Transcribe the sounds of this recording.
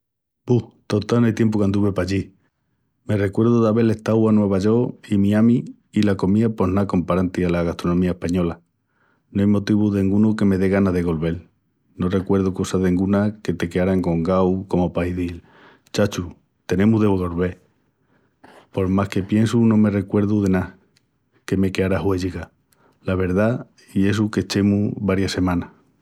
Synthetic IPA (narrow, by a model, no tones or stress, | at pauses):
buht̪ot̪anajt̪je̞mp̬okand̪uβe̞paʎi | me̞re̞kwe̞ɾðuðaβe̞le̞ht̪awanwe̞β̞aʝo̞imiamiː | lako̞miapo̞nako̞mpaɾant̪ialaɣast̪ɾonomiaehpaɲo̞la | noajmo̞t̪iβuðeŋɡunoke̞me̞ðe̞ɣ̞anaðe̞ɣo̞lβe̞l | no̞re̞kwe̞ɾð̞uko̞saðeŋɡunake̞t̪e̞keaɾaŋko̞ŋɡawko̞mo̞pajðil | t͡ʃat͡ʃu | t̪e̞nẽ̞muɦðeβɣo̞lβe̞ | po̞ɾmahke̞pje̞nsunõ̞me̞re̞kwe̞ɾðuðe̞na | ke̞me̞keaɾaɦwe̞ʝiɣa | laβ̞e̞ɾða | ie̞s̬uke̞t͡ʃe̞muβaɾjase̞mãna